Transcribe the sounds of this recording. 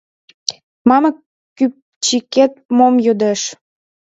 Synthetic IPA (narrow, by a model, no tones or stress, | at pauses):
mɑmə | kːyp | t͡ɕiket̪̚momjød̪eʃ